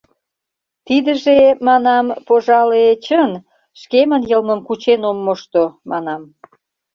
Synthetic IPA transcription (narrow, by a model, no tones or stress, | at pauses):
t̪id̪əʒemɑnɑmpoʒɑlet͡ɕən | ʃkemənjəlməmkut͡ɕenomːoʃt̪omɑnɑm